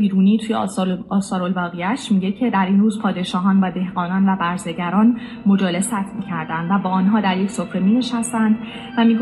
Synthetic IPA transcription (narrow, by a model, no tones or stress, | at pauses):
iːɾuːniːt̪ʰuːjeɒːsɒːɾo̞lvɒːɣejæʃmiːɟe̞cʰe̞d̪æɾinruːzpʰɒːd̪e̞ʃɒːɦɒːnvæːd̪e̞hɢɒːnɒːnvæbæɾze̞ɟæɾɒːn | mo̞d͡ʒɒːle̞sæt̪ʰmiːcʰæɾd̪ænd̪væbɒːnɦɒːd̪æɾje̞cʰsofɾe̞miːne̞ʃæst̪ænd̪ | væmiɡo